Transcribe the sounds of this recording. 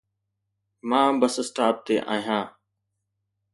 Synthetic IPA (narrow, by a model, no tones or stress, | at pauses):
mãːbəsəsʈaːp̚t̪eːʔã̰ːɦijãː